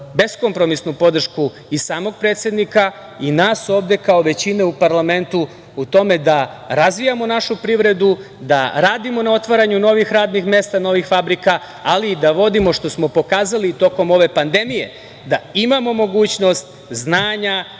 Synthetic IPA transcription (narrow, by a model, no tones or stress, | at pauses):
be̞sko̞mpɾo̞misnupo̞d̪r̩ʃku | isaːmo̞ɡ̚pɾet̪sje̞d̪nika | inaːso̞ːʋd̪e̞kao̞ʋe̞t͡ɕine̞upaɾlame̞nt̪u | ut̪o̞me̞d̪a | ɾazʋijamo̞naʃupɾiʋɾe̞d̪u | d̪a̰ɾaːd̪imo̞nao̞t̪ʋaɾaɲuno̞ʋixɾaːd̪nixme̞st̪ano̞ʋixfabɾika | aliːd̪aʋo̞d̪imo̞ʃt̪o̞smo̞po̞kaːzalit̪o̞ko̞mo̞ʋe̞pand̪e̞mije̞̰ | d̪aimamo̞mo̞ɡuːt͡ɕno̞st̪ | znaːɲa